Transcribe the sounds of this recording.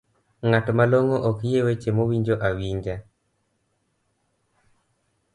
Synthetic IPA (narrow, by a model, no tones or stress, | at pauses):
ŋatmaloŋoʔɔkjewet͡ʃemowiɲd͡ʒoʔawiɲd͡ʒa